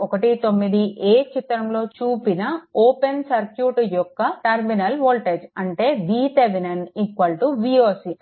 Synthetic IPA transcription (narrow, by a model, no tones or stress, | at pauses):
ɔkɐʈit̪o̞mːid̪iʔeːt͡ʃit̪ɾɐmlo̞ːt͡ʃuːpinɐoːpensɐɾkjuːʈjɔkːɐʈɐɾminɐlʋoːlʈed͡ʒɐɳʈe̞ːbiːt̪eʋenɐnikʋɐlʈuʋiːoːsi